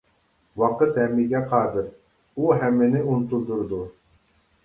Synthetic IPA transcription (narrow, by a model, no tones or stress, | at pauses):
wɑqɤt̪hæmiɡʲæqʰɑd̪ɯɾ | uɦæmːinɪunt̪unˠd̪uɾd̪u